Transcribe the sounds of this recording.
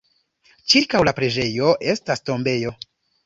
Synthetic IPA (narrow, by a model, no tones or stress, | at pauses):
t͡ʃiɾkawlapɾe̞d͡ʒe̞jo̞ʔe̞stasto̞mbe̞jo̞